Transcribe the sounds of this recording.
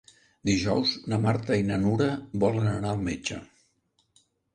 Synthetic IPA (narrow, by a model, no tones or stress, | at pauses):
d̪iʒɔwznəmaɾt̪əinənuɾəβɔlənənaəlˠmed͡ʒə̰